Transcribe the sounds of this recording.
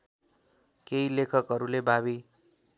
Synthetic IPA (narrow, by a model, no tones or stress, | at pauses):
keilekʰʌkɦʌɾulebaβi